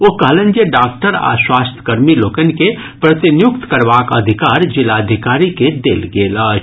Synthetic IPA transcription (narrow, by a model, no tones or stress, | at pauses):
oɦkəɦlə̃nd͡ʒeɖaːk̚ʈəɾa̰swaːst̪ʰə̥kəɾmiloːkənike | pɾət̪injʊkt̪kəɾʋaːkəd̪ʱikaːɾd͡ʒɪlad̪ʱikaːɾiked̪eːlɡeːlət͡ʃʰ